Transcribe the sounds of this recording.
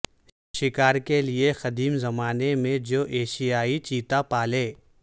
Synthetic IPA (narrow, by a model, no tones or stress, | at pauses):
ʃɪkaːɾkelɪexɐd̪iːmzɐmaːnemẽd͡ʒoːʔeːʃijaːit͡ʃiːt̪apaːleː